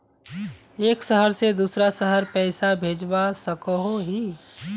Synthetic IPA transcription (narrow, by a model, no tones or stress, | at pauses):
eːksəɦəɾsed̪uːsɾasəɦəɾpɛːsabʱeːd͡ʒbasəkoɦoɦiː